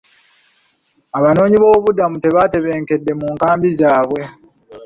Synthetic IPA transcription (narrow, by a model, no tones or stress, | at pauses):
aβano̞ːɲiβo̞ːβudamute̞βate̞βeːŋke̞dːe̞muːŋkaːmbizaːβwe̞